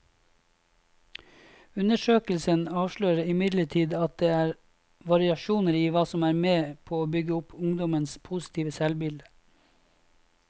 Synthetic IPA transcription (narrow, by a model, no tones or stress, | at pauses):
ʉnəʃøːkəl̩sənɑːʋʃløːɾəɪmɪd̪ləʈʰiːd̪ɑt̪̚d̪eːæːɾ | ʋɑɾɪɑʃuːnəɾiːʋɑːsɔmæːɾmeːpʰoːoːbʏɡəʊpʰʊŋd̪ɔmənspʰusɪ̥t̪ʰiːʋəsɛlbɪld̪ə̥